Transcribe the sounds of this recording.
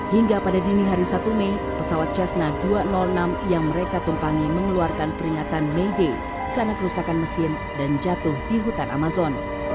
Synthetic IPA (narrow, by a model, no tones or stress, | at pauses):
hiŋɡapadadiniɦaɾisat̪ume | pəsawat̪̚t͡ʃasnaduanɔlnamjaŋməɾekat̪umpaŋiməŋəluarkanpəɾiŋat̪anmeide | kanakəɾusakanməsɪr | dand͡ʒat̪ʊhdiɦut̪anʔa̰mazɔn